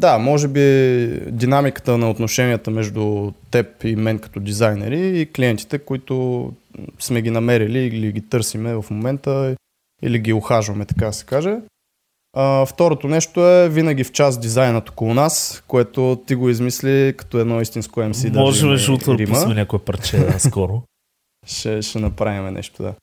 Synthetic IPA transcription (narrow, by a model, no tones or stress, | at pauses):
d̪amɔʒɛbid̪inamikə̥t̪ənɐot̪noʃɛniət̪əmɛʒd̪ʊt̪ɛpimɛnkɐ̥t̪ɔd̪izajnɛ̰ɾiːkliɛnt̪i̥t̪ɛkoit̪o | smɛɡinɐmɛɾililiɡʲit̪ɤɾsimɛvɐfmomɛnt̪ə | ḭliɡʲioxaʒvɐmɛt̪ɐ̥kad̪ɐsɛ̥kaʒɛ | ɐft̪ɔɾot̪onɛʃt̪oɛvinəɡʲift͡ʃazd̪izajnət̪o̥kolˠʊnaskoɛt̪ot̪iɡoizmislikɐ̥t̪ɔɛd̪nɔist̪inskoɛmsid̪ɐɔʒɛmɛʒut̪əɾiməmɛnʲakoɛpɐɾt͡ʃɛskɔɾo | ʃɛʃɛnɐpɾavimɛnʔɛ̰ʃt̪od̪a̰